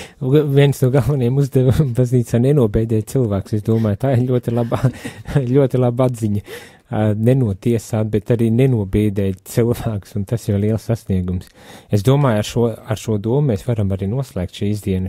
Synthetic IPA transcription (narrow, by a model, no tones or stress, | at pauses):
viɛnsnuɔɡalˠvanijamuzd̪ɛvabazniːt̪saːnɛnuɔbɛːd̪ɛːjt̪silˠʋæːkʊsesd̪uɔmaːjt̪aːiɾʎʲuɔt̪ilˠabaːʎʲuɔt̪ilˠabad̪ziɲə | nenuɔt̪iɛsaːt̪̚bɛt̪aɾiːnɛnuɔbɛːd̪ɛːjt̪silˠvæːku̥sunt̪asliɛlˠsːasniɛɡums | esd̪uɔmaːjaɾʃuɔaɾʃuɔd̪uɔmmɛsʋaɾamaɾiːnuɔslˠɛːkt̪ʃiːizd̪iɛn